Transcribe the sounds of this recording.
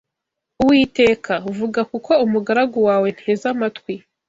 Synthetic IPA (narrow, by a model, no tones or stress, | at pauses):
uwiːte̞ːkʰauvuɡakuko̞umuɡaɾaɡowaːwe̞n̥heːzamatkwi